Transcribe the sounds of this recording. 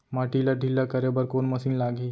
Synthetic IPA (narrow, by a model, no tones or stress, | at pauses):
maʈilaɖʱilːakɐɾebɐɾkoːnmɐsĩnlaːɡi